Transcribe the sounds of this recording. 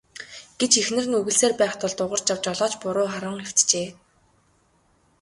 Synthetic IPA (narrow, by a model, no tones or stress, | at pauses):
ɡ̥et͡ɕexnɘ̆rɘ̆nɵɣɘ̆ɮseːrpæːχt̪ɔɮt̪ʊʁə̆r̥t͡ɕjawt͡ɕɔɮɔːt͡ɕpʊɾʊːχaɾə̆ɴŋew̥t̪t͡ɕeː